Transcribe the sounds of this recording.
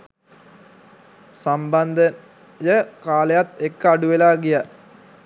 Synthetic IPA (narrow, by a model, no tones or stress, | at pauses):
samband̪ə | jəkaːlejat̪ekːəaɖuʋelaːɡija